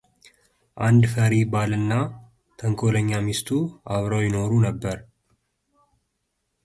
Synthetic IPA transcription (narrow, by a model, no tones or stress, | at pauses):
ʔand̪fəɾibalɨnːa | t̪ʰəŋkʰo̞ləɲːamist̪ʰuaβɾawjɪno̞ɾunəbːəɾ